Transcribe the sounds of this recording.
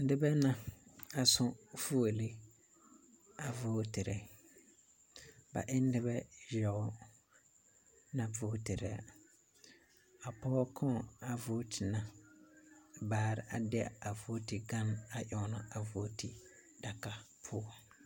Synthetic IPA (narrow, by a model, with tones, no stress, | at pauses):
n̩˦dɪ˦bɛ˦na˨a˨sʊ˦fu˦o˨li˦ | a˨voː˦tɪ˨ɾɛ˨ | ba̰˨ʔɪ˦n̩˦dɪ˦bɛ˦jɔ˨˦ | nã˨voː˦tɪ˨ɾɛ˨a̰˨ | a˨pɔ˦kʰɔ˦˨a˨voː˦tʰɪ˨nã˨ | baː˨ɾɪ˨ʔa˨d̰a˨voː˦tɪ˨ɡa˦na˨ʔɔ˨˦nʊ˨a˨vo˦ti˨ | d̥a˨ka˨ | pʰʊː˦